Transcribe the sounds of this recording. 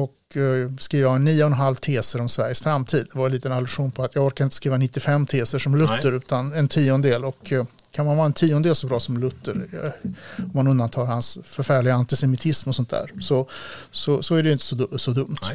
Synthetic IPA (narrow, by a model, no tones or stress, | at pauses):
ɔkskɾiːvanːiːʊɔɛnɦalvt̪ʰeːsəɾɔmsvæɾjəsfɾamːt̪ʰiːd̪d̪ɛvaɾliːt̪ənalɵɧuːnpʰɔat̪ʰjɑːɡɔɾkaɾɪnt̪əskɾiːvanɪt̪ːɪfɛmːt̪ʰeːsəʂɔmlɵt̪ːəɾʉ̟ːt̪anɛnt̪ʰiːʊnd̪eːlɔkʰː | anmanvɑːaɛnt̪ʰiːʊɔnd̪eːlsɔbɾɑːsɔmlɵt̪ːəɾ | ɔmːanɵnd̪ant̪ʰɑːɾhansfœɾfæːɭɪɡaant̪ɪsɛmɪt̪ʰɪsmɔsɔnt̪̚d̪æ̰ːɾsɔsɔsɔæɖɛjʏnt̪ə̥sɔd̪sɔd̪ɵmt̪